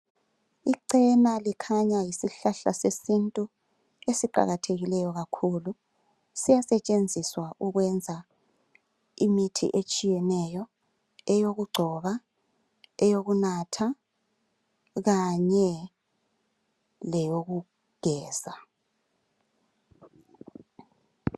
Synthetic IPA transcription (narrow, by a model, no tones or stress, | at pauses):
iǀɛnalikʰaɲajisiɬaɬasesintʼu | esiǃa̰ɣatʰeɣilɛjɔɣakʰulu | sijasɛt͡ʃʼend͡zʱiswaʔuɣwɛnd͡zʱa | imitʰḭʔet͡ʃʼijɛnɛjɔ | ɛjoɣuɡ͡ǀʱɔβa | ɛjoɣunatʰa | ɣaɲɛ | lɛjoɣu | ɡ̥ʱɛːza